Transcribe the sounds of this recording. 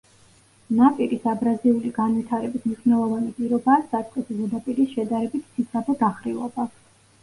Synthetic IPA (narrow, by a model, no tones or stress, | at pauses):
napʼiɾisabɾaziuliɡanvit̪ʰaɾɛbismniʃnɛlˠɔvanipʼiɾɔbaːsd̪at̪sʼqʼiszud̪apʼiɾisʃɛd̪aɾɛbit̪ʰsid̪sʰabɔd̪aχɾilˠɔba